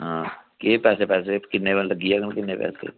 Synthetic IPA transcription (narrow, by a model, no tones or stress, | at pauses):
ɦãːkeːpɛːsepɛːs̬ekɪnːebənlɐɡiakənkɪnːepɛ̰ːsḛ